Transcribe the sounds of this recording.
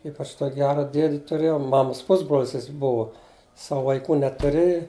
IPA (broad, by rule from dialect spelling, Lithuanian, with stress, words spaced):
ˈiːpɐt͡ʃ toːkʲ ˈɡʲæːrɐ ˈdʲiɛdʲɪ tʊˈrʲeːjɛʊ ˈmɑːmɐs ˈpʊzbroːlʲsʲ ˈjɪs ˈbʊʋɐ ˈsɑːʋʊ ʋɐɪˈkuː nʲɛtʊˈrʲɪjɪ